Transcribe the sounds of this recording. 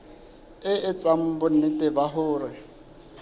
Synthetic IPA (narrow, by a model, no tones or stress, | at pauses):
ɪɪt͡sʼam̩bʊn̩ɪtʼɪbaɦʊːɾɪ